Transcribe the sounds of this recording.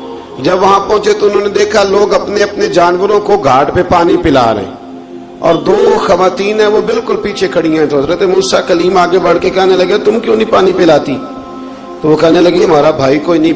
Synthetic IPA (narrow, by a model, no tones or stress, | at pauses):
d͡ʒəbʋɐɦãpɔ̃ːt͡ʃet̪oʊnɦõːned̪eːkʰaloːɡɐpneɐpned͡ʒaːnʋəɾõkoɡʱaːɖpepaːnipɪla̰ːɾḛɦɛ̰̃ː | ɔ̰ːɾd̪oːxəʋaːt̪iːnɦɛ̃ːʋoːbɪlkʊlpiːt͡ʃʰekʰəɽijãɦɛ̃t̪ozɾət̪emuːsakəliːmaːɡebəɽ̤kekɛːɦneləɡeat̪ʊmkjõːnəĩpaːnipɪlaːt̪iː | t̪oːʋoːkɛːɦneləɡeɦəmaːɾabʱaːikoːinəĩ